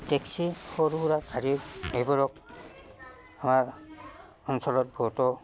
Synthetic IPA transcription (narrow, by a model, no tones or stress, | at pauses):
tɛksihɔɾuɾakaɾiejbɔɹɔk̚ | amaɹ | ɔnsɔlɔt̚bʱɔtɔ